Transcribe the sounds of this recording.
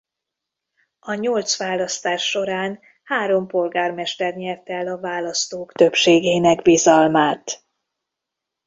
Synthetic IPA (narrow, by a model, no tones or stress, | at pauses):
ɒɲolt̪sʋaːlɒst̪aːʃːo̞ɾaːn | haːɾo̞mpo̞lɡaːrmɛʃt̪ɛrɲɛrt̪ɛlɒvaːlɒst̪oːkt̪ø̞pʃeːɡeːnɛkbizɒlmaːt̪